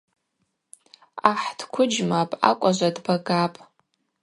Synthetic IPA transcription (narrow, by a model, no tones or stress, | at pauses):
aħd̥kʷʰʊd͡ʒmapʼa̰kʷʼaʒʷadbaɡapʼ